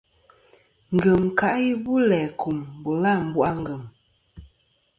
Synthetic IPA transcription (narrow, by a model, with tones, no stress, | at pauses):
ŋ̩˨ɡə˨mka˨ʔji˦bu˦lɛː˨ku˨mbo˨la˦˨m̩˨bwʔa˦ŋ˦ɡə˨m